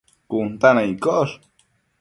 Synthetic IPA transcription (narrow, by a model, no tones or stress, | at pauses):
kunt̪anajkoʔɾ